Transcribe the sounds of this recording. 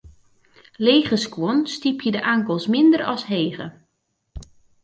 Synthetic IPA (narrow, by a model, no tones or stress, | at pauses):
leːɣəskwonstipjədəʔaŋkəlˠsmɪndərɔ̰sɦeːɣə̰